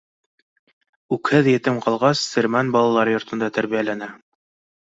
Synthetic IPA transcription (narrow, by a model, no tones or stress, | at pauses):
ʉkhɘðjɘ̆t̪ɘmqɑlˠʁɑsːɘ̆ɾmænbɑlˠɑlˠɑɾɤjŏɾt̪ɤ̆nd̪ɑt̪æɾβijælænæ